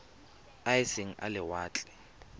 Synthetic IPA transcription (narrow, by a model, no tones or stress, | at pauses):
asiŋ̩a̰lɪwaːt͡ɬʼɛ̥